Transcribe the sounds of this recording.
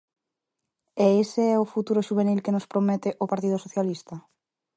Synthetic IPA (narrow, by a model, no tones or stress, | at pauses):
eeseɛʊfut̪uɾʊʃuβ̞enilkenospɾomɛt̪ɪʔopaɾt̪ið̞ʊsoθjalist̪a